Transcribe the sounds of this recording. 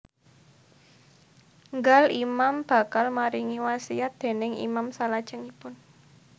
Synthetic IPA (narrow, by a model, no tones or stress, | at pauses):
ŋɡalimamb̥a̤kalmaɾiŋiwasiat̪̚d̪̥e̤nɪŋḭmamsalad̥ʒ̥əŋipʊn